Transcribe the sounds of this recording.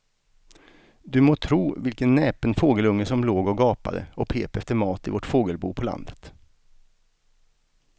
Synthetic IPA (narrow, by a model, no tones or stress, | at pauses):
d̪ɵmoːt̪ʰɾuːvɪlkənːɛːpənfoːɡəlɵŋːəsɔmloːɡɔɡɑːpa̰d̪ə̰ʔɔpʰḛːpɛft̪əɾmɑːt̪ɪvɔʈfoːɡəlbṵːpʰɔla̰nd̪ət̪